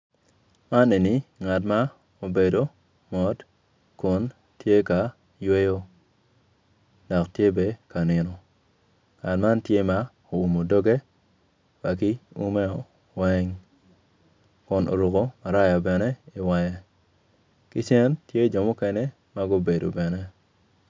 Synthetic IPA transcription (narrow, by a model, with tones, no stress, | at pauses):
ma˦ne˨ni˨˦ŋa˨t̬ma˦ | o˨be˨do˨ | mɔ˨˦d | kʊ˨n | tje˦ka˨ | jwe˦jo˦ | dɔ˨ktje˦be˦ka˨nɪ˨nɔ˨ | ŋa˨tma˦ntje˦ma˦ | o˨u˨mo˨do˦ɡe˦ | ba˨k̬i˦ṵ˦mɛ˦ɔ˨ | wɛ˦ŋ | kʊ˨nʔo̰˨ɾu˨ko˦ma˨ɾa˦ja˨bɛ˨nɛ˦ɪ˨wa˦ja˨ | kɪ˦t͡ʃɛ˦ntje˦d͡ʒɔ˨mʊ˦kɛ˦nɛ˦ | ma˦ɡo˦be˨do̰˨bɛ˨nɛ˦